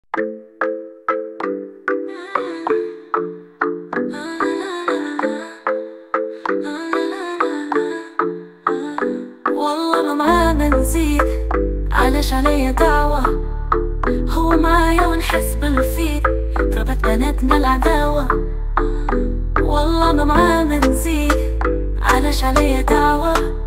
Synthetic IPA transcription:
wɑlˤːɑːmamaʕad̪anziːd̪ʕa̰laːʃʕalajːad̪aʕwa | hʊwːmaʕajoːnħɪsbɪlfiːd̪ | fabat̪anat̪nalʕad̪aːwa | wɑlˤːɑːmamʕaːnanziːd̪ | ʕa̰laːʃʕalajːad̪aʕwa

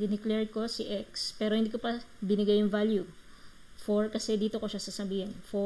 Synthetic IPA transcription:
d̪ɪnɪklɛɹko̞siʔɛk̚spɛːɾo̞hɪnd̪iːkopɐbɪnɪɡajʊŋvalju | foɹkɐsɛd̪iːt̪okoʃasɐsɐbiːhɪnfo

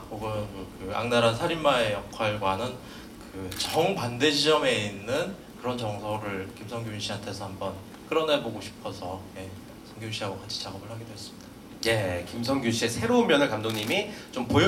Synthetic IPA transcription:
poɡʌnkɯa̰ŋnaɾasʰaɾimːaejʌkʰwaɭɡwanɯn | kɯt͡ɕʌŋpande̞ɕʰid͡ʑʌme̞inːɯn | kɯɾʌnt͡ɕʌŋsʰʌɾɯɭkimsʰʌŋɡjoɕʰiantʰe̞sʰʌhambʌn | k͈ɯɾʌneboɡoɕʰi̥pʰʌsʰʌje̞ | sʰʌŋɡjoɕʰiɦaɡwʌkat͡ɕʰi̥t͡ɕaɡʌbɯɭhaɡidwes͈ɯ̥mida | je̞kims̬ʰʌŋɡjoɕʰie̞sʰe̞ɾoummjʌnekamdoŋɲimit͡ɕompoj

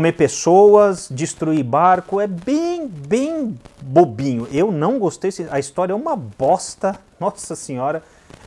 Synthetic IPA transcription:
omepesowɐzd͡ʒist̪ɾuibaɾkʊɛbẽj̃bẽj̃bobĩɲʊʔewnɐ̃w̃ɡost̪ejsẽɐist̪ɔɾjɐɛũmɐbɔst̪ɐnɔsɐsẽɲɔɾɐ

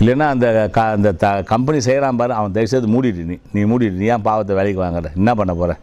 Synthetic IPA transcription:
ɪlːɐnːaːɐnd̪ɐkand̪ɐt̪ɐkɐmpɛnisɛjɐɾaːmpaːɾɯ̃ɐʋɐ̃ŋt̪ɐɪsɐðɯmuːɽɪɾɯniniːmuːɽiɾɯnijãːpaːʋɐt̪ːɐʋeːɭɪkːɯʋaːŋɡɐɾɛɛnːɐpɐɳːɐpoːɾɛ̃ː

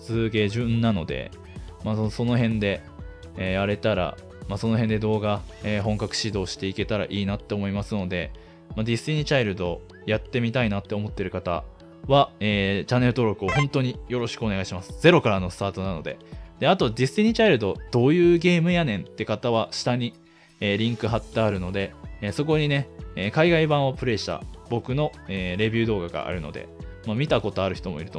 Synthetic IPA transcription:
sɨːɡe̞ʑɨ̃nːano̞d̪e̞̰ | masoso̞no̞ɦẽ̞nd̪e̞ | eːjaɾe̞t̪aɾa̰ | maso̞no̞ɦend̪e̞d̪o̞ːɡaeːɦõ̞ŋkakɯ̟̥ɕid̪o̞ːɕi̥t̪e̞ike̞t̪aɾa̰ʔiːnat̪ːe̞oːmo̞imasɨno̞d̪e̞ | mad̪ʲisɨiɲ̟it͡ɕaiɾɯ̟d̪o̞ | jat̪ːe̞mʲit̪ainat̪ːe̞omo̞t̪ːe̞ɾɯ̟kat̪a̰ | βaeːt͡ɕanːe̞ɾɯ̟t̪o̞ɾo̞kɯ̟o̞hõnt̪o̞ɲ̟ijo̞ɾo̞ɕi̥kɯ̟one̞ɡaiɕimasɨ̥z̥e̞ɾo̞kaɾano̞sɨ̥t̪aːt̪o̞nano̞̰d̪e̞̰d̪̥e̞at̪o̞d̪ʲisɨiɲ̟it͡ɕaiɾɯ̟d̪o̞d̪̥o̞ːjɯ̟ːɡe̞ːmɯ̟janẽ̞nt̪ːe̞kat̪aβaɕi̥t̪aɲ̟i | eːɾʲĩŋkɯ̟ɦat̪ːaːɾɯ̟no̞d̪e̞ːso̞k̬o̞ɲ̟ine̞eːkaiɡaibãɰ̃opɯ̟ɾe̞ɕi̥t̪a̰bo̞kɯ̟no̞eːɾe̞bʲɨ̟ːd̪o̞ːɡaɡa̰ʔa̰ɾɯ̟no̞̰d̪e̞̰mamʲit̪ako̞t̪o̞aɾɯ̟çi̥t̪o̞moḭɾɯ̟̥t̪

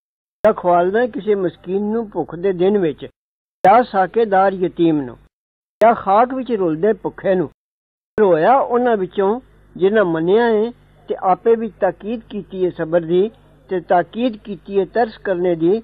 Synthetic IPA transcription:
jãːkʰʋaːlnãkɪseːməskiːnːũːpʊkʰd̪eːd̪ɪnʋɪt͡ʃ | jaːsaːkeːd̪aːɾjət̪iːmnṵ̃ː | jaːxʰaːkʰʋɪt͡ʃɾoːld̪eːpʊkʰːeːnũː | ɾoːjaːʔʊnãːʋɪt͡ʃõː | d͡ʒɪnãːməneãːẽː | t̪eːʔaːpẽːʋɪt͡ʃt̪aːkiːd̪kiːt̪iːeːsəbəɾd̪iː | t̪eːt̪aːkiːd̪kiːt̪iːeːt̪əɾskəɾneːd̪iː

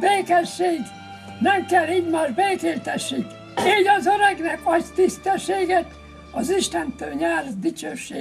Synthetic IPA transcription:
beːkɛʃːeːɡ | nɛmkɛlːiːɟmaːʒbeːkeːlt̪ɛʃːik̪ | eːɟɒzøɾɛɡnɛkɒct̪ist̪ɛʃːeːɡɛt̪ | ɒziʃt̪ɛnt̪øːlɲaːrd̪it͡ʃøːʃḛː

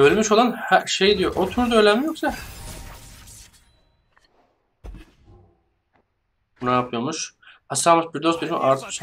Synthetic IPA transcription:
ølʲmyʃo̞lˠanhæɾʃejd̪ijo̞ʔot̪ʰuɾd̪øjlʲæmijo̞ksa | bunajapʰɯjo̞muʃhasamasbiɾd̪osbilʲimḭʔaɾt̪ʰɯ̥ʃ

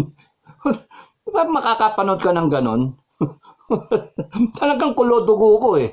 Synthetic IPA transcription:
pɐmɐkakapɐnod̪̚kɐnɐŋɡɐno̞n | t̪ʰɐlɐɡaŋkʊloːd̪ʊɡokoɛ

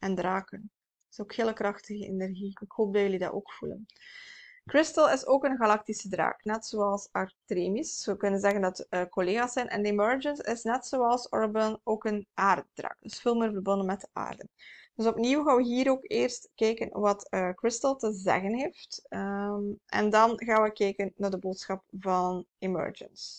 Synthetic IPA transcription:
ɛndraːkən | ɪ̥soːkheːləkrɑxtəɣəḛnɛrɣiɪkhoːp̚dɑjəlidɑ̰o̰ːkfulə̰n | krɪstəlˠɪsoːkənɣɑlɑk̚tisədra̰ːknɛtsoːɑlˠsɑrtreːmisəkɵnənzɛɣəndɑtːkoleːɣaːsɛjnʔɛ̰ndəimœɹd͡ʒənsɪsnɛtsoːɑlˠsɔɹbənoːkənʔaːrt̚d̥rɑ̰ːkd̥ɵsfeːlˠmɪːrvərbɔndənmɛt̚dəʔa̰ːrdənd̥ɵsɔpniwɣaːʋəɦiːɾoːkeːrstkɛːkənʋɑtəkrɪstəlˠtəzɛ̰ɣənɦeːft | ɛ̰ndɑnɣaːwəkɛːkənːaːrdəboːtsxɑp̚vɑnimœ̰ɹd͡ʒə̰ns

